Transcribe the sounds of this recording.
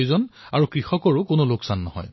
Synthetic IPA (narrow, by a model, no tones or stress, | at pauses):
zɔnaɹukɹixɔkɔɹʊkonoloksanːɔɦɔ̰j